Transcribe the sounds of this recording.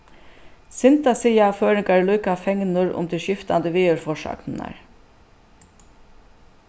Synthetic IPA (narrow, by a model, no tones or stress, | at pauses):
sɪnt̪asijaføːɾɪŋkaɹluːkafɛŋnʊɹʊ̰mt̪ʰɪʃɪft̪and̪əʋiːœɹfɔʂɑ̰knna̰ɹ